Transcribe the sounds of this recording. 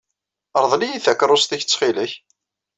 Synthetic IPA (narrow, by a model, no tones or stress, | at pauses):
əɾˤðˤlijiθækɾˤʊst̪içt͡sːχilæç